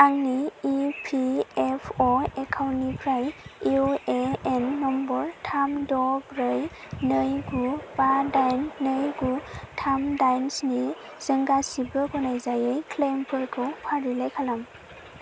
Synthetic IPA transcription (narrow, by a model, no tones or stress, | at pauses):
aŋniːpʰiepʰɔekʰawnipʰɾajiɔeenːɔmbɔɾtʰamdɔɡɾɯj | nɯjɡubadajnːɯjɡutʰamdajnsni | z̥əŋɡasibɯɡɔnajzajɯjkʰlempʰɯɾkʰɔpʰaɾilajkʰalam